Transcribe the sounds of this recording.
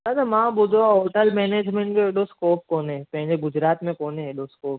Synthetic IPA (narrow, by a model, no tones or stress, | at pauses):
ad̪amãbʊd̪ʱõoːʈəlmeːneːd͡ʒmẽɳʈkeeɖoskoːp̚koːnẽpɐ̃ɦɪ̃d͡ʒeɡʊd͡ʒɾaːt̪mẽkoːneeɖoskoːp